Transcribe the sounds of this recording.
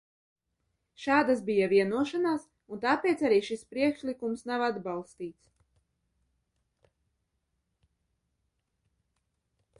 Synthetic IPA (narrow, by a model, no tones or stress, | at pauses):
ʃaːd̪asbijaviɛnuɔʃanaːs | unt̪aːpɛːt̪saɾiːʃispɾiɛkʃlikumsnavad̪balˠst̪iːt̪s